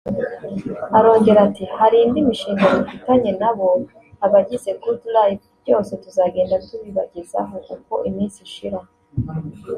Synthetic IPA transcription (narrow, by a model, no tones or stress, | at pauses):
aɾo̞ːɲɟe̞ɾatihaɾiːndimiʃiːŋɡamifitaɲe̞naβo̞ | aβaɟize̞kuduɾaːjiubɟo̞ːse̞tuzaːɡe̞ːndatuβiβa̰ɟiza̰ɦo̞kuko̞ʔimiːnsiʃiɾa